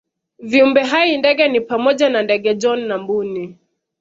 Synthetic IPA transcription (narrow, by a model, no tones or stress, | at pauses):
viumbɛɦaindɛɠɛnipamɔʄanandɛɠɛd͡ʒɔnːambuni